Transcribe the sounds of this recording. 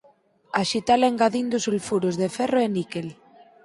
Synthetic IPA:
aʃit̪aleŋɡaðind̪usulfuɾozðeferoenikel

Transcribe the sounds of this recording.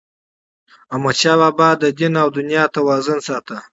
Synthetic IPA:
amat͡ʃababɑd̪əd̪inawd̪ʊnjɑt̪awɑːzənsɑt̪a

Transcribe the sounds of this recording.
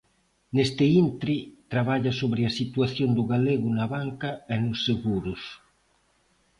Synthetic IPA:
nest̪eint̪ɾit̪ɾaβaʎasoβɾeasit̪waθjond̪ʊɣaleɣʊnaβaŋkaenʊsːeɣuɾʊs

